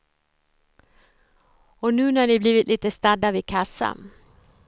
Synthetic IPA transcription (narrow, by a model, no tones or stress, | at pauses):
ɔnʉ̟ːnæaɳɪbliːvɪt̪liːt̪əst̪ad̪ːavɪkʰasːa̰